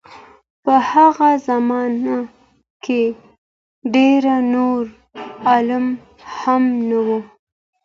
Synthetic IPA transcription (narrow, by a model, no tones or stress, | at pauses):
pəhaɣazamɑna | ke | ɖeɾanoɾ | ɑlam | hamnawu